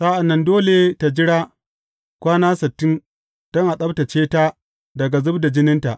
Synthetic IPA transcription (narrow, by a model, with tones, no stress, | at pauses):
sa˦ʔa˨nːɐ˦ndoː˦le˨ta˨d͡ʒɪ˦ɽaː˦ | kʷaː˦naː˦sɐ˨tːɪ˦n | d̥ɔ˦ŋʔa˨ɗɐ˦bta˨t͡ʃeː˦ta˦ | dɐ˨ɡa˨zʊ˦bda˨d͡ʒɪ˦nɪ˦nta˨ʔ